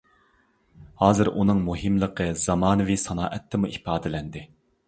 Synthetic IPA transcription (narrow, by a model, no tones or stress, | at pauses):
hɑːzɨɾʔunɨŋmuɦɨmlˠəqʰəzɑmɑːnɨvisɑnɑːʔɛt̪ʰːɪmuʔipɑːd̪ɪlɛnd̪ɪ